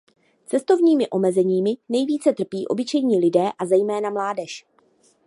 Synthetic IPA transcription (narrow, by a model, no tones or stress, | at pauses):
t͡sɛst̪o̞vɲiːmɪʔo̞mɛzɛɲiːmɪnɛjviːt͡sɛt̪r̩piːʔo̞̰bɪt͡ʃɛjɲiːlɪdɛːʔazɛjmɛːnamlaːdɛʃ